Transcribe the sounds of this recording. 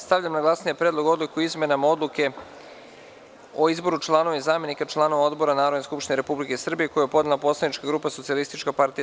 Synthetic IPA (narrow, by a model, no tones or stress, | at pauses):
st̪aʋʎʲamnaɡlˠasnijepɾed̪lˠoɡo̞d̪likuizmenamao̞d̪lˠuke̞ | o̞izbo̞ɾut͡ʃlˠaːno̞ʋeizaːme̞nikat͡ʃlˠaːno̞ʋao̞d̪bo̞ɾanaːɾod̪neskupʃt̪ineɾe̞publike̞sr̩bije̞ko̞jujepo̞d̪nelˠapo̞slanit͡ʃkaɡɾuːpaso̞t̪sialist̪it͡ʃkapaɾt̪ia